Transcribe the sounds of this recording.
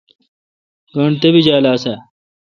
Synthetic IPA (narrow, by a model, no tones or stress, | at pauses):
ɡɐɳɖt̪ebid͡ʑaːlaːse